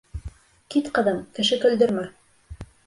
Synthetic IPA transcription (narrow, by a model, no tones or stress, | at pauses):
kit̪qɤ̆ðɤmkɘ̆ʃɘkɵ̆ld̪ɵ̆ɾmæ